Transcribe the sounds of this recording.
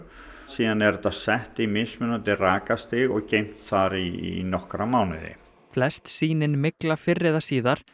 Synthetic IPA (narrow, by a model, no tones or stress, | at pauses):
siːðanɛɾt̪aðsɛht̪imɪsmʏnant̪ɪraːkast̪ɪɣɔɣcejm̥t̪θaɾinɔhkɾamaːwnɪðɪ̰ | flɛst̪siːnɪnmɪklafɪrːɪðasiːðaɾ̥